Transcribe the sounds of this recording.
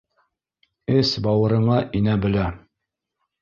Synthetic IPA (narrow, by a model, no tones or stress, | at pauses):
ɘsbɑwɤ̆ɾɤ̆ɴɑʔinæbɘ̆læ